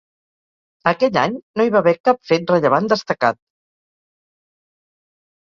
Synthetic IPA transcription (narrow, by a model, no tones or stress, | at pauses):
əkɛʎaɲnoiβaβɛkapfet̪̚rəʎəβand̪əst̪əkat̪̚